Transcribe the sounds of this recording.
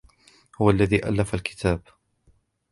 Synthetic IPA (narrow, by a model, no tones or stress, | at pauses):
hʊwalːaðiːʔa̰lːafalkɪ̥t̪ʰaːb